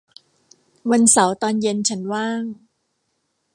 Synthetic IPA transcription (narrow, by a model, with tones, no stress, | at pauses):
wa˧nsa˩˦wt̪ɔː˧nje˧nt͡ɕʰa˦˥nwaː˥˩ŋ